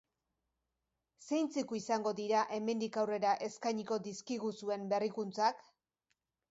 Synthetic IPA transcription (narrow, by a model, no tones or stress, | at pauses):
sejnt͡sikuisaŋɡo̞ðiɾaʔe̞me̞nd̪ikawre̞ɾaʔe̞skajɲiko̞d̪iskiɣusue̞mbe̞rikunt͡sak